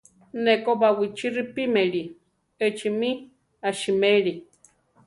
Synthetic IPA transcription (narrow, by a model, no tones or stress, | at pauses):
nekobawit͡ʃiripimeɺi | ət͡ʃimi | aʃimeɺi